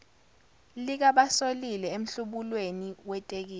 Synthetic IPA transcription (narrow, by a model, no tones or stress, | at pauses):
lik̬aɓasolilɛem̩ɬuɓulweniwɛtʼek̬iːl